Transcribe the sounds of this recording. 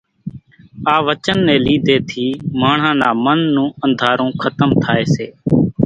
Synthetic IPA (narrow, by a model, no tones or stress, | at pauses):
aːʋət͡ʃənːẽːliːd̪eːt̪ʰiːmaːɳ̤ãːnaːmənːũːə̃nd̪ʱaːɾõːkʰət̪əmt̪ʰaːeːseː